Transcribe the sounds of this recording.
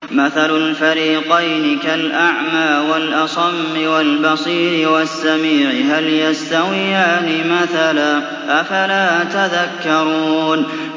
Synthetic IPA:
maθalʊlfaɾiːqɑjnɪkalʔaʕmaːwalʔɑsˤɑmːɪwalbɑsˤiːɾɪwasːamiːʕɪɦaljast̪awɪjaːnɪmaθala | ʔafalaːt̪aðakːɑɾˤuːn

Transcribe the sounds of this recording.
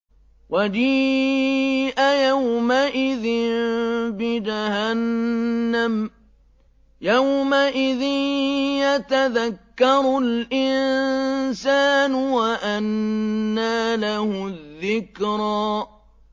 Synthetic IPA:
wʔad͡ʒiː | ʔajawmaʔɪðɪnbɪd͡ʒahanː | am | jawmaʔɪðɪjat̪aðakːɑɾˤlʔɪnsaːnʊwaʔanː | aːlahʊðːɪkɾɑː

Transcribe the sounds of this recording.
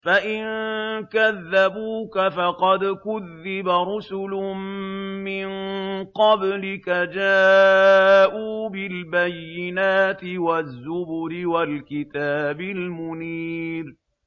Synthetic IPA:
faʔɪnkaðːabuːkafɑqɑd̪kʊðːɪbaɾʊsʊlʊmmɪnqɑblɪkad͡ʒaː | ʔuːbɪlbajːɪnaːt̪ɪwazːʊbʊɾɪwalkɪt̪aːbɪlmʊniːɾ

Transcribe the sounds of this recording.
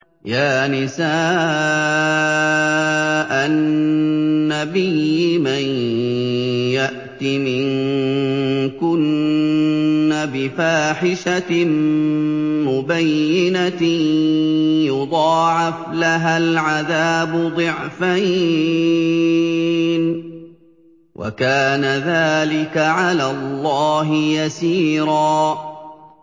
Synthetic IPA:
jaːnɪsaː | ʔanː | abɪjːɪmaj | jaʔt̪imɪŋ | kʊn | abɪfaːħɪʃa | mʊbajːɪna | jʊd̪ˤɑːʕɪflaɦalʕaðaːbʊd̪ˤɨʕfaj | n | wʔa̰kaːnaðaːlɪkaʕalaːlˤːɑːɦɪjasiːɾɑː

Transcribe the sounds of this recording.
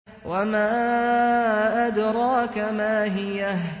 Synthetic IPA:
wamaː | ʔad̪ɾˤɑːkamaːɦɪja

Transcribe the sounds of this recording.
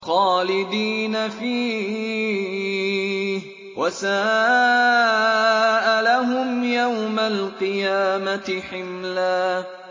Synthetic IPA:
xɑːlɪd̪iːnafiː | wʔasaː | ʔalaɦʊmjawmalqɨjaːmat̪ɪħɪmlaː

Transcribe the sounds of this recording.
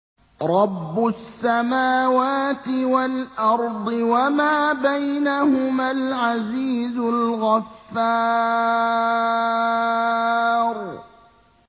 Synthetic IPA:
ɾˤɑbːʊsːamaːwaːt̪ɪwalʔɑɾˤd̪ˤɨwamaːbajnahʊmalʕaziːzʊlɣafːaː | ɾˤ

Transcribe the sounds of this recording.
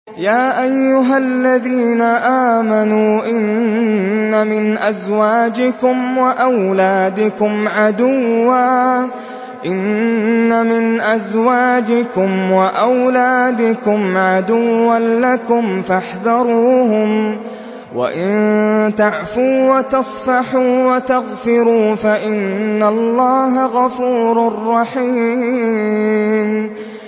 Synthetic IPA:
jaːʔajːʊɦalːaðiːnaʔaːmanuːʔɪnː | amɪnʔazwaːd͡ʒɪkʊmwaʔawlaːd̪ɪkʊmʕad̪ʊwːaː | ʔɪnːamɪnʔazwaːd͡ʒɪkʊmwaʔawlaːd̪ɪkʊmʕad̪ʊwːalakʊmfaħðɑɾˤuːhʊm | wa̰ʔɪnt̪aʕfuːwat̪ɑsˤfɑħuːwat̪aɣfɪɾuːfaʔɪnːalːɑːɦaɣafuːɾarˤːɑħiː | m

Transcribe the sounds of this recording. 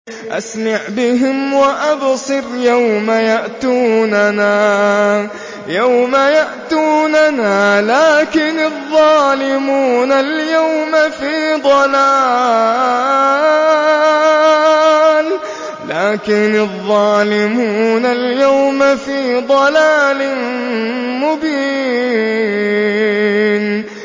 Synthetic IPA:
ʔa̰smaʕbɪɦɪmwaʔabsˤɨɾjawmajaʔt̪uːnanaː | jawmajaʔt̪uːnanaːlaːkɪnɑðˤːɑːlɪmuːnaljawmafiːd̪ˤɑlaː | l | laːkɪnɑðˤːɑːlɪmuːunaljawmafiːd̪ˤɑlaːlɪ | mʊbiː | n

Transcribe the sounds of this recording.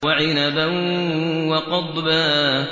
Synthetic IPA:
aʕɪnaba | wɑqɑd̪ˤbaː

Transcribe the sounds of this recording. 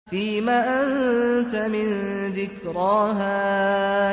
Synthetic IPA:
fiːmaːʔant̪amɪnðɪkɾˤɑːɦaː

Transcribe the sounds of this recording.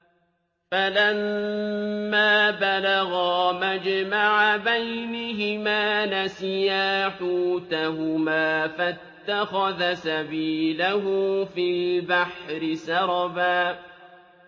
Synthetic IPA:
falamː | aːbalaɣamad͡ʒmaʕabajnɪɦɪmaːnasɪjaːħuːt̪aɦʊmaːfat̪ːaxaðasabiːlaɦʊfilbaħɾɪsɑɾˤɑbaː

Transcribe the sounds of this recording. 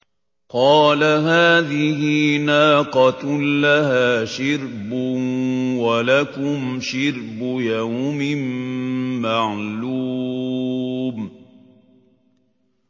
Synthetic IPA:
qɑːlaɦaːðɪhɪnaːqɑlaɦaːʃɪɾbʊwalakʊmʃɪɾbʊjawmɪmː | aʕluː | m

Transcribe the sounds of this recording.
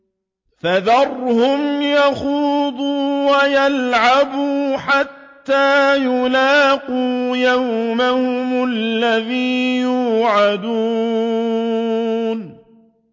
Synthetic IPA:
faðɑrˤhʊmjaxuːd̪ˤuːwajalʕabuːħat̪ːaːjʊlaːquːjawmahʊmallːaðiːjuːʕad̪uː | n

